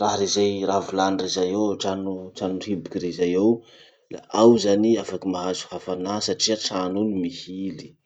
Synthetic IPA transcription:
raɦɾezajravulanirezajewʈ͡ʂanuʈ͡ʂanuribikirezajew | la̰ʔawzaniafakimaɦazu̥hafanasaʈ͡ʂiaʈ͡ʂanunimihili̥

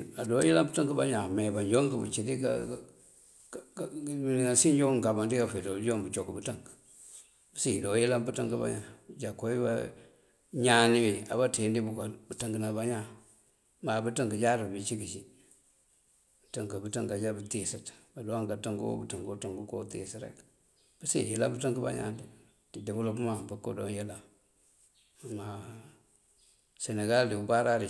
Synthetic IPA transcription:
adojilabutaŋkəba̰ɲameband͡ʒoŋkəbə̰t͡ʃidika̰ | ninasind͡ʒokabandikafedobd͡ʒobət͡ʃokːubətaŋk | bsidojilambutəŋkəba̰ɲa̰d͡ʒakoiba̰ | ɲaniwia̰batendibukabutaŋɡənabaɲa | mabutiŋɡəd͡ʒaɾibbit͡ʃikit͡ʃi | btəŋɡəbutiŋɡad͡ʒabətisitbaduaŋɡatəŋɡuwo̰bətiŋɡtuŋɡukotḭsiɾḛk | b̥əsḛila̰mbətəŋɡəba̰ɲa̰ndi | didibulobumabuko̰donjela | ma | seneɡaldiubaɾaɾi

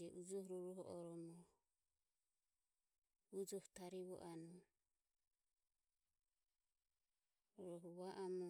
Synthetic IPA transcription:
ɛʔud͡ʒɔhɾɔɾɔɦɔʔɔɾɔmɔ | ud͡ʒɔhut̪aɾiβɔ̰ʔanɔ | ɔɾɔɦɔβaʔamɔ

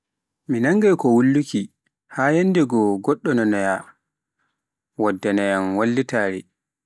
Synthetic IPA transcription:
minaŋɡajkɔwulːuki | hajanːdɛɡɔɡɔɗːɔnɔnaja | wadːanajanwalːitaːɾɛ̰

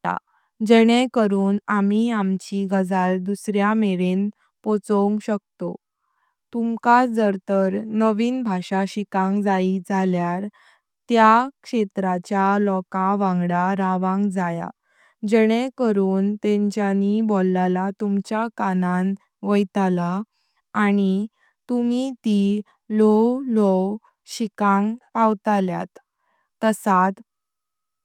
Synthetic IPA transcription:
a̰ | d͡ʑɛɽ̃ɛkəɾuːnamiamt͡ɕiɡəd͡zald̪usɾjameɾen | pɔt͡sɔuŋkɕək̚t̪o | t̪umkad͡zəɾt̪əɾnəʋiːnbʱaɕaɕikãŋɡd͡zaid͡zaljaɾ | t̪jakʂet̪ɾat͡ɕjalɔkaʋãŋɡɽaɾaʋãŋɡd͡zaja̰ | d͡ʑəɽ̃ekəɾuːnt̪ẽɲt͡ɕjanibolːalat̪umt͡ɕjakanan | ʋəjt̪alaː | ñi | t̪umit̪i | lɔlɔ | ɕikãŋɡpawt̪alja̰t̪ː | əsat̪

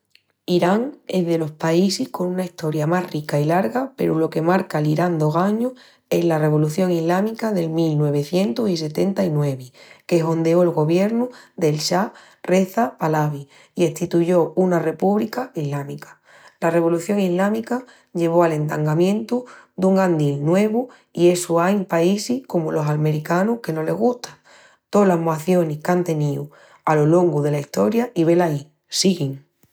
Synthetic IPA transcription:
iɾaŋe̞zðe̞lo̞hpaisihko̞nunaiht̪o̞ɾjamaɦrikailaɾɣape̞̰ɾulo̞ke̞maɾkaliɾand̪o̞ɣaɲo | e̞ɦlare̞β̞o̞luθjo̞ŋiɦlamikaðe̞lmilnwe̞β̞e̞θje̞nt̪osise̞t̪e̞nt̪ainwe̞βike̞ɦo̞nd̪e̞oelɣo̞βje̞ɾnuðe̞lʃa | re̞θapalaβ̞i | ie̞ht̪it̪uʝo̞unare̞puβlikaiɦlamikḁ | lare̞β̞o̞luθjo̞ŋiɦlamika | ʎe̞β̞o̞ale̞nt̪aŋɡamjẽ̞nt̪ud̪uŋɡand̪ilnwe̞β̞u | ie̞suajmpaisihko̞mulo̞salme̞ɾikanuhke̞no̞le̞ɦɣuht̪ḁ | t̪o̞laɦmwaθjo̞nihkant̪e̞niu | alo̞lo̞ŋɡuðe̞laiht̪o̞ɾjaʔiβ̞e̞lai | siɣiŋ

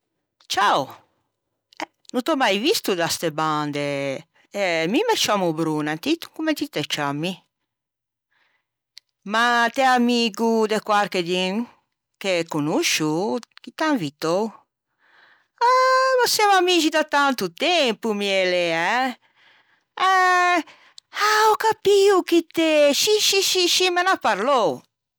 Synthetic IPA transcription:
t͡ʃaw | ɛ | nut̪ɔmajvist̪ud̪ast̪eband̪e | ɛmimɛt͡ʃamubɾunant̪it̪u̥ŋkumɛt̪it̪ɛt͡ʃamːi | mat̪ɛamiɡud̪ekwaɾked̪in | kekunuʃukit̪aŋvit̪ow | anosjamamid͡ʒid̪at̪ant̪ut̪ɛmpumiɛleɛ | ɛ | aɔkapiukit̪ɛʃiʃiʃiʃimenapaɾlow

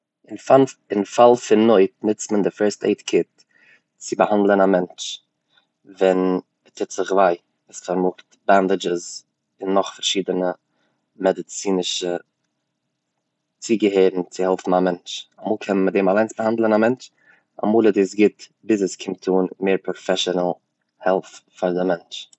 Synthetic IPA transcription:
ɪnfaɪnfalˠfɪnːoɪtnɪt͡stməndɪfɛɹstḛɪtkʰɪt̚ | t͡sɪbəhandlˠənamɛnt͡ʃ | vɛn | ətʰɪtz̥ɪχvaɪ | ɪsfɔɾmʊktbandɪd͡ʒəz | ɪnːɔχfaɾʃiːdənə | mɛdɪt͡siːnɪʃə | t͡siːɡəɦeɪbn̩t͡sɪhɛlˠfm̩amɛnt͡ʃamuːlˠkʰɛmmədeːmalˠaɪnsb̥əhandlˠənamɛnt͡ʃ | a̰muːlˠɛdiːs̬ɡɪtbɪs̬əskʰɪmtʰuːnmeːɾpɾɔfɛʃɔnəl̩ˠ | hɛlˠffaɾdɪmɛnt͡ʃ

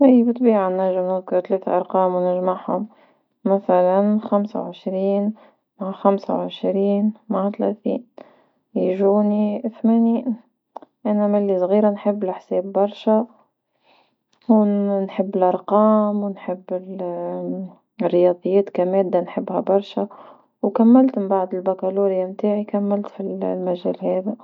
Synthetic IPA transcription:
ʔiːbət̪ˤbiːʕanːæʒːɪmhukt̪lɛːθaʔɑɾˤqɑːmwnɪʒmaʕhʊm | mæθælænxamsa̰wʕɪʃɾiːn | maʕaxæmsa̰wʕɪʃɾiːnmaʕat̪læ̰θḭːn | jʒuːniθmæni | ʔænæmælːisˤɣiːɾanħəbːɪlɪħseːbːɑɾˤʃæ | wnħəbːɪlʔɑɾˤqɑːmwnħəbːɪl | rːjɑd̪ˤɨjːɛːt̪kæmɛːd̪ːanħəbːhæbɑɾˤʃæ | wkæmːælt̪mmbaʕd̪ɪlbakæluɾjamt̪aːʕikæmːælt̪fillmæʒɛːlhɛːðæ

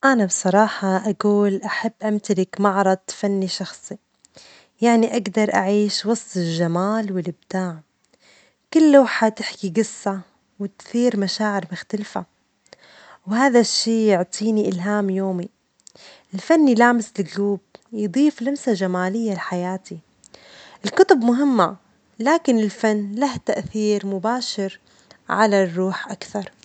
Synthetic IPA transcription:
ʔanabsˤɑɾˤɑːħɑʔaɡuːlʔaħabːʔamt̪alɪkmɑʕɾˤɑd̪̚fanːiʃɑxsˤi | jaʕniʔaɡd̪ɑɾˤʔa̰ʕiːʃwɑsˤt̪ˤɪlʒamaːlwɪlɪbd̪aːʕ | kɪlːaːħat̪ɪħkiɡɪsːa | wɪt̪θiːɾmaʃaːʕɪɾmʊxt̪alfa | whaːðaʃːiːjʊʕt̪ˤʰiːniʔɪlɦaːmjoːmi | ʔɪlfanːilaːmɪslɪɡluːbjd̪ˤiːflamsaʒamaːlɪjːalħajaːt̪ʰi | ʔɪlkʊt̪ˤʊbmʊɦɪmːa | laːkɪnɪlfanːlaht̪aʔθiːɾmʊbaːʃɪɾ | ʕalarˤːuːħʔakθɑɾˤ

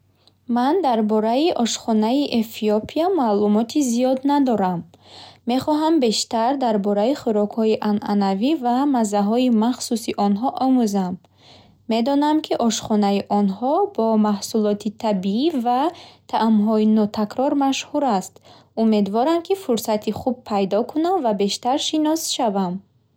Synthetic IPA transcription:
mand̪aɾbɔɾaiʔɔʃχɔnaiʔefiopʰiamalumɔt̪ʰizijɔd̪nad̪ɔɾamː | e̞χɔɦambe̞ʃt̪aɾd̪aɾbɔɾaiχuɾɔkhɔiʔanʔa̰navivamazaɦɔimaχsusiʔɔnɦɔʔɔmuzamː | e̞d̪ɔnamkʰiʔɔʃχɔnaiʔɔnhɔbɔmahsulɔt̪ʰit̪ʰabiivat̪ʰaʔamɦɔinɔt̪ʰakɾɔɾmaʃhuɾast̪ | ume̞d̪vɔɾamkʰifuɾsat̪ʰiχub̚pʰːajd̪ɔkʰunamvabe̞ʃt̪aɾʃinɔsʃavam

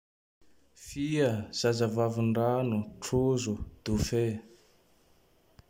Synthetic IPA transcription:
fiəz̥azəvavuɳɖ͡ʐanuʈ͡ʂozud̪̥ufe

